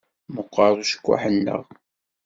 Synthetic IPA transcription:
məqːɑɾˤuʃə̥kʷːa̰ħənːə̰ʁ

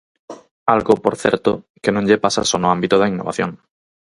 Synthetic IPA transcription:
alɣopoɾθjeɾt̪o | kenõŋʎepasa̰sonoãmbit̪oðainːo̞βa̰θjoŋ

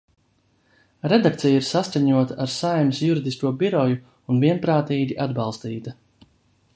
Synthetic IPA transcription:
ɾed̪akt̪sijiɾsaskaɲuɔt̪aaɾsajmsjuɾid̪iskuɔbiɾɔju | unviɛnpɾaːt̪iːɡʲiʔad̪balˠst̪iːt̪a

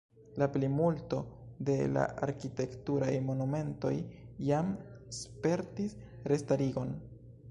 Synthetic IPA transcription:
laplimulto̞de̞la̰ʔaɾkite̞ktuɾajmo̞nume̞nto̞̰jjamspe̞ɾtis | ɾe̞staɾiɡo̞n

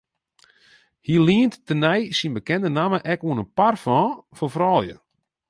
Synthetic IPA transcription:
hiliəntːənɛjsinbəkɛndənaməʔɛkuənənparfɔ̃ːfɔfrɔlˠjə̰

